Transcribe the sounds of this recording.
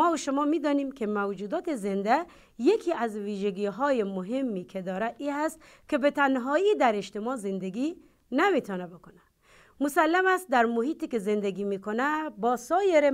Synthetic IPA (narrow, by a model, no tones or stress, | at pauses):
ɔuʃʊmɔmid̪ɔnimkʰemawd͡ʒud̪ɒːt̪ezend̪æ | jekʰiazviʒæɡiɦɔːjemʊɦemːikʰed̪ɔːɾaiɦast̪̚ | kʰebet̪ʰanɦɔːid̪æɾeʃt̪emɔzend̪eɡi | namit̪ʰɔnabekona | mʊsalːamæst̪̚d̪æɾmuɦiːt̪ikezend̪eɡimikonæbɔːsɔːjeɾe